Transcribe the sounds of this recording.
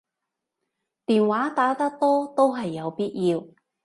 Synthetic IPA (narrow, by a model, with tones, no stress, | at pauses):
t̪iː˨nwaː˨˥t̪aː˨˥t̪ɐ˥k̚t̪ɔː˥t̪o˥wɦɐ˨jːɐ˨˧wpiː˥t̚jiː˧w